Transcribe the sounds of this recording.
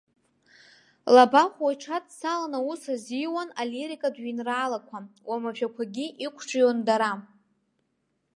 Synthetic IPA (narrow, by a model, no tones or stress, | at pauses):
labaχʷajʈ͡ʂʰatʰʼsalanausazijwanaleɾikʼadɥinraːlakʷʰawamaʃᶣakʷʰaɡʲiʔikʷʰʈ͡ʂʰʼjandaɾa